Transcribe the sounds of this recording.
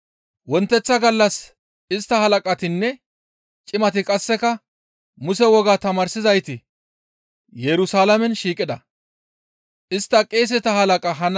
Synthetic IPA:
wɔnt̪ːɛt͡sːɐɡɐlːɐs | ɪst̪ːɐhɐlɐkʼɐt̪ɪnːɛ | t͡ʃʼɪmɐt̪ɪkʼɐsːɛkɐ | mʊsɛwɔɡaːt̪ɐmɐɾsɪzɐjt̪ɪ | jɛɾʊsaːlɐmɛnʃiːkʼɪd̪ɐ | ʔɪst̪ːɐkʼeːs̬ɪt̪ɐhɐlɐkʼɐɦɐn

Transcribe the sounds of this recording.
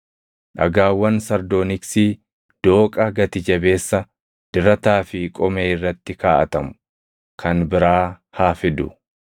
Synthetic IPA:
ᶑɐ̰ɡaːwːɐnsɐɾd̪oːnɪksiː | d̪̥o̞ːkʼɐɡɐt̪ɪd͡ʒɐbe̞ːsːɐ | d̪̥ɪɾɐt̪aːfɪkʼɔmeːɪrːɐt̪ːɪkaːʔɐt̪ɐmʊ | kʰɐnbɪɾaː | haːfɪd̪ʊ̰

